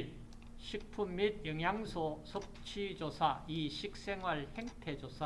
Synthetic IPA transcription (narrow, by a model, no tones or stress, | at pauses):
ɕʰik̚pʰumːid̚jʌŋjaŋsʰosʰop̚t͡ɕʰid͡ʑosʰaiɕʰik̚s͈eŋwaɭheŋtʰed͡ʑosʰa